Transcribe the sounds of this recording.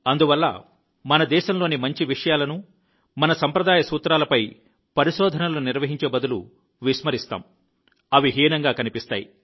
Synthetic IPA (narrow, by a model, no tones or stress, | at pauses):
ɐnd̪uʋɐlːɐ̰ | mɐnɐd̪ɛːʃɐmlo̞ːnimɐɲt͡ʃiʋiʂɐjaːlɐnu | mɐnɐsɐmpɾɐd̪aːjɐsuːt̪ɾaːlɐpɐj | pɐɾiʃɔːd̪ʱɐnɐluniɾʋɐɦiɲt͡ʃeːbɐd̪ulu | ʋiʃmɐɾist̪a̰ːm | ɐʋiɦiːnɐŋɡaːkɐnipist̪a̰ːjḭ